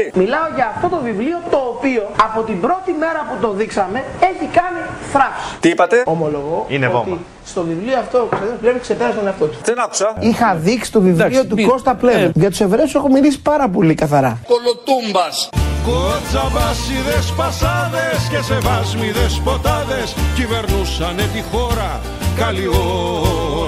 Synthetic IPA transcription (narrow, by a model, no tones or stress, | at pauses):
milɐo̞ʝɐːft̪o̞t̪o̞vivlio̞t̪o̞ːpio̞ɐpo̞t̪imbɾo̞t̪ime̞ɾɐput̪o̞ðiksɐme̞ | e̞çikɐni | θɾɐfsi̥t̪iipɐt̪e̞omo̞lo̞ɣoḭneovo̰mi | st̪o̞vivlioɐft̪okosɐðiɐsplevikse̞peɾɐst̪o̞neɐft̪o̞t̪u̥ðenaku̥sɐixɐðiksi̥t̪o̞viviot̪uko̞st̪ɐplevuʝɐt̪u̥se̞vɾe̞use̞xomilisi̥pɐɾɐp̬o̞likɐθɐɾɐkolot̪umbɐskod͡zɐvɐsiðespɐsɐðescesevɐzmiðespo̞t̪ɐðe̞scive̞ɾnusɐnet̪ixo̞ɾɐ | kɐlio